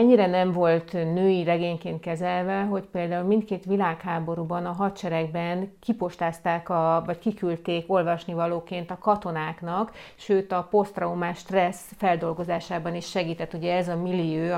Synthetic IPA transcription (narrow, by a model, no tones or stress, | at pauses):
ɛɲːiɾɛnɛɱvo̞lt̪nøːjirɛɡeːɲkeːnt̪kɛzɛlvɛɦo̞cpeːld̪aːulmint̪̚keːt̪ʋilaːkhaːbo̞ɾubɒnɒɦɒt̪t͡ʃɛɾɛɡ̚bɛnkipo̞ʃt̪aːst̪aːkɒvɒckikylt̪eːko̞lvɒʃnivɒloːkeːnt̪ɒkɒt̪o̞naːknɒkʃøːt̪ɒpo̞st̪rɛumaːʃt̪rɛsfɛld̪o̞lɡo̞zaːʃaːbɒniʃʃɛɡiːt̪ɛt̪ːuɟɛɛzɒmilːiøː